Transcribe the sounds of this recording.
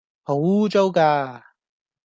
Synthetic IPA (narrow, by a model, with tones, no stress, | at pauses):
ho˨˥wt͡so˥wkaː˧